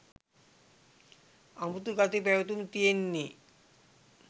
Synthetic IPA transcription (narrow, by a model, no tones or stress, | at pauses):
amut̪uɡat̪ipɛʋɐt̪umt̪ijenːi